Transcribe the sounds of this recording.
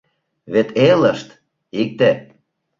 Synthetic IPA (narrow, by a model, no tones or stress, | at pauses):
βet̪eləʃt̪ | ik̚t̪ĕ